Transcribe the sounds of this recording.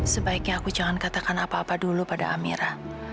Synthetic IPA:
səbaikɲaːkud͡ʒaŋankat̪akanapaːpadulupada̰ʔamḭɾa

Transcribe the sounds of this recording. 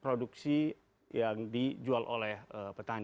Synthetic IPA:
pɾoduksi | jaŋdid͡ʒualʔo̰lɛhəpərt̪aɲ

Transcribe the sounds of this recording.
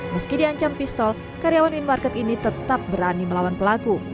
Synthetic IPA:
məskidiaɲt͡ʃampist̪ɔl | kaɾijawanwinmarkɛt̪init̪ət̪ap̚bəɾaniməlawanpəlaku

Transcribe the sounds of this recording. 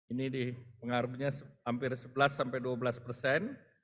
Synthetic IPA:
inidipəŋaɾuɲahampɪrsəbəlasːampajduabəlaspərsɛn

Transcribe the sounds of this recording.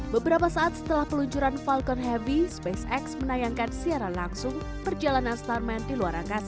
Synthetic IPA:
bəbəɾapasaʔat̪̚sə̥t̪əlahpəluɲt͡ʃuɾanfalkɔnɦɛvispesɛksmənajaŋkansiaɾanlaŋsʊŋ | pərd͡ʒalananst̪armɛndiluaɾʔaŋkas

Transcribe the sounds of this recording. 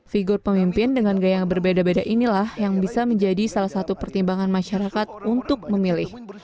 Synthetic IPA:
fiɡʊrpəmimpɪndəŋanɡajaŋbərbedabedaʔinilahjaŋbisaməɲd͡ʒadisalahsat̪upərt̪imbaŋanmaʃaɾakat̪̚unt̪ʊk̚məmilɪh

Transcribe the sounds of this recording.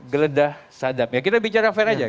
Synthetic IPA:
ɡələdahsadapjaŋkit̪abit͡ʃaɾafɛɾad͡ʒa

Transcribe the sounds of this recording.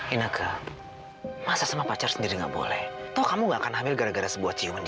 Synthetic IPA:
inakʰa | masasəmapat͡ʃarsəndiɾiŋɡa̰ʔbo̰lɛ̰ht̪ɔkamuŋɡaʔkanɦamɪlɡaɾaɡaɾasəbuahtt͡ʃimənd͡ʒ

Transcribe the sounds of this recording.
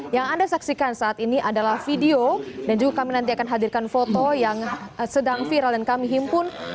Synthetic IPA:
jaŋandasaksikansaːt̪iniʔadalahfideodand͡ʒuɡakaminant̪iakanɦadirkanfot̪ojaŋsədaŋfiɾaldankamiɦimpʊn

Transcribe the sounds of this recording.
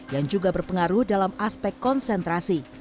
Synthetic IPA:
jaŋd͡ʒuɡabərpəŋaɾʊhdalamaspɛkːɔnsɛnt̪ɾasi

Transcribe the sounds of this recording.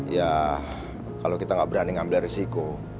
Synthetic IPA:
ja | kalokit̪aŋɡaʔbəɾaniŋambɪlaresiko

